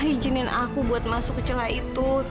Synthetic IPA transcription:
ɦid͡ʒinɪnakubuat̪̚masʊkt͡ʃəlait̪u

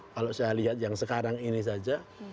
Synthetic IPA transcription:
kalasajaliɦat̪̚jaŋsəkaɾaŋinis̬ad͡ʒa

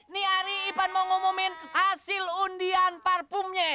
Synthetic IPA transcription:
niaɾiːpanmɔŋumumɪnhasɪlundianparpumɲe

